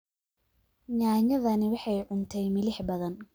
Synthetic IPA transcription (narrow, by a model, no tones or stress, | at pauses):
ɲaːɲɐðɐnɪwɑħɑjʕʊnt̪ʰɛjmɪlɪħbɐðɐn